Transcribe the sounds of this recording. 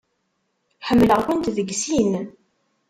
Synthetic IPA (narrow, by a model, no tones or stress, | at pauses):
ħəmːləʁkənt̪ðəɡsinən